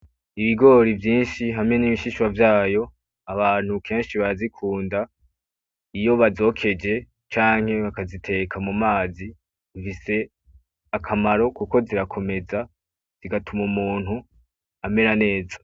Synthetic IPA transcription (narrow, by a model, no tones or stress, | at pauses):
iβiɡo̞ːɾivjiːnʃiɦamŋe̞niβiʃiʃwavjaːjo̞ | aβaːn̥hukʰe̞ːnʃiβaɾazikʰuːnda | ijo̞βazo̞ːkʰe̞d͡ʒe̞ | t͡ʃaːŋ̥he̞βakazitʰe̞kʰamumaːzi | ufise̞ | akʰamaɾo̞kuko̞ziɾakʰo̞me̞za | z̥iɡatʰumumuːn̥hu | ame̞ɾane̞ːza